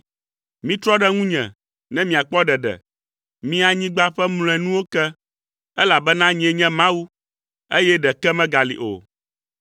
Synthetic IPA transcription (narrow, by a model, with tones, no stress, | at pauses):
mĩ˦t̪ɾɔ˦ɖɛ˦ŋũ˦ɲɛ̰̃˨ | nɛ̃˦mĩ˨a˨k͡pɔ˦ɖɛ˨ɖɛ̰˨ | mĩ˦a˨ɲĩ˦ɡ͡ba˦ɸɛ˦mlõ˨ɛ̃˨nũ˦wo˦kɛ˦ | ɛ˦la˨bɛ˦nã˦ɲ˦ɛ̃˨ɲɛ̃˦mã˦wu˦ | e˦jɛ˦ɖɛ˨kɛ˦mɛ̃˦ɡa˨lḭ˨ʔo̰˨